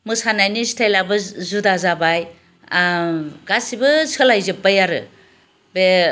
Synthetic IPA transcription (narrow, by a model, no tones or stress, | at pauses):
mɯsanajnistʰajlabɯzudazabaj | ɡasibɯsɯlajzɯp̚ːajaɾɯ̰ | be